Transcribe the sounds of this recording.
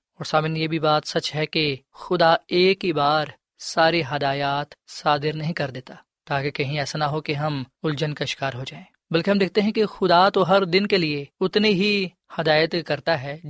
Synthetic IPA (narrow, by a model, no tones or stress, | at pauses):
ɔːɾsaːbɪnjebʱibaːt̪sɐt͡ʃɦɛkexʊd̪aeːkɦibaːɾ | saːɾeɦɐd̪aːjaːt̪saːd̪ɪɾnɐɦĩkɐɾd̪eːt̪aː | t̪aːkekɐɦĩɛːsanɐɦokeɦɐmʊld͡ʒənkaɪʃɪ̥kaːɾɦod͡ʒaːẽːbɐlkeɦɐ̃md̪eːk̚ʰt̪eɦɛ̃kexʊd̪at̪oɦɐɾd̪ɪnkelieʊt̪neɦi | hɐd̪aːjət̪kɐɾt̪aɦɛ